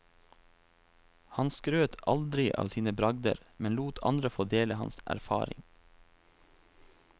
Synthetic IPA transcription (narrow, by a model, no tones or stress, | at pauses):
hɑnskɾøːt̪ʰʔɑld̪ɾɪʔɑ̰ːʋsiːnəbɾɑɡd̪ə̰ɾmɛnluːt̪ʰɑ̰nd̪ɾəfoːd̪eːləhɑnsæ̰ɾfɑ̰ːɾɪ̰ŋ